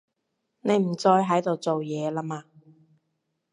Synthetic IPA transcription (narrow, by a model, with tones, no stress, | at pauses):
ne˨˧jm̩˨˩t͡sɔː˧jɦɐ˨˥jt̪o˨wt͡so˨wjɛː˨˧laː˥maː˧